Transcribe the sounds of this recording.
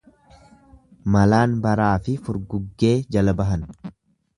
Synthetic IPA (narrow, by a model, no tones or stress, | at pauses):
mɐlaːnbɐɾaːfɪfʊɾɡʊɡːe̞ːd͡ʒɐlɐbɐɦɐn